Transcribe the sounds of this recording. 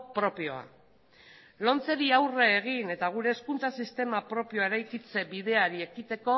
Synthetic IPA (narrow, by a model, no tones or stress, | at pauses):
pɾo̞pio̞a̰ | lo̞nt͡se̞ɾiawre̞ːɣ̞ine̞t̪aɣ̞uɾe̞ːskunt͡sasist̪e̞mapɾo̞pio̞ae̞ɾajkit͡se̞bið̞e̞aɾie̞kit̪e̞ko̞